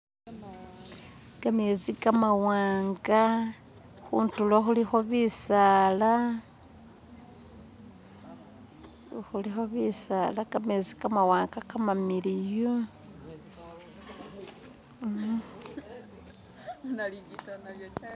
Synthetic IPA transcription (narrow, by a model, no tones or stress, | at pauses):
ɡamezikamawaːŋɡa | xṵːntuloxulixo̞βisala | xulixo̞βisalakamezikamawaːŋɡakamamilijo